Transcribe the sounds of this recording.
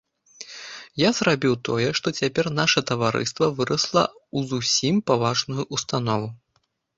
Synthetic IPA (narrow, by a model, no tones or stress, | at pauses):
jazrabʲiwt̪ɔjɛʂt̪ɔt͡sʲapʲɛrnaʂɐt̪ɐvaɾɨ̰st̪vɐvɨɾɐslˠɐ̰uzusʲimpavaʐnujuʔust̪anɔvu